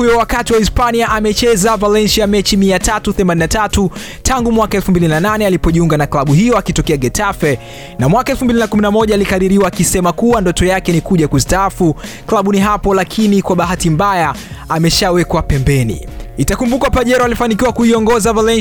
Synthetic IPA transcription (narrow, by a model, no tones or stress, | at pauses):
ujɔwakatiwaispaniaʔamɛt͡ʃɛzavalɛnʃiamɛt͡ʃimiatatuθɛmaninatatu | tʰaŋɡumwakaɛlfumbilinananɛalipɔʄiuŋɡanaklaɓuhijɔakitɔkɛaɡɛtʰafɛ | namwakaɛlfumbilinakuminamɔʄaalikaɾiɾiwaːkisɛmakuwandɔtɔjakɛnikuʄakustaafuklaɓuniɦapɔlakʰinikwaɓaɦatimbaja | amɛʃawɛkwapɛmbɛnḭitakumbukapaʄɛɾɔalifanik̬iwakuiɔŋɡɔzavalɛn